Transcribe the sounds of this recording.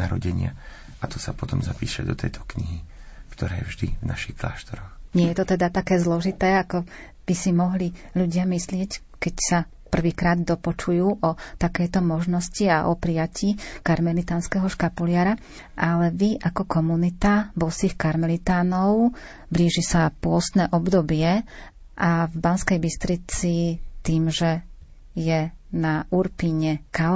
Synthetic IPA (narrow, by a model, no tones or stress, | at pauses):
aɾɔ̰ɟɛɲɪa̰ | at̪ɔsapɔt̪ɔmzapiːʃa̰d̪ɔt̪ʰɛ̰jt̪ʰɔ̥kɲiɦikt̪ɔɾɛ̰ːjɛ̰vʒd̪ḭvnaʃixkla̰ːʃt̪ɔɾɔxɲɪɛjɛt̪ɔt̪ɛd̪at̪akɛːzlɔʒit̪ɛːakɔ | b̥isimɔɦliʎuɟɪamislɪɛc | kɛcsa | pr̩ʋiːkɾaːd̪d̪ɔpɔt͡ʃujuːʔɔt̪akɛjt̪ɔmɔʒnɔsciaʔɔpɾijaciːkaɾmɛlit̪aːnskɛɦɔʃkapulɪaɾa | ʔalɛʋiʔakɔkɔmunit̪abɔsiːxkaɾmɛlit̪aːnɔʊ | bliːʒisapʊɔst̪nɛːʔɔbd̪ɔbɪɛ | ʔavbanskɛjbist̪ɾit͡sit̪iːmʒɛ | jɛnaʔuɾpiɲɛka